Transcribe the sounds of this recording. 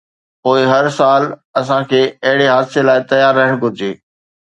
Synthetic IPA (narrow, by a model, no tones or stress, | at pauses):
poːɪɦɐɾsaːlɐs̬ãkʰeːɐɦɪɽeɦaːd̪selaːɪt̪ɐjaːɾːɐɦəɽ̃ɡʱʊɾɪd͡ʑeː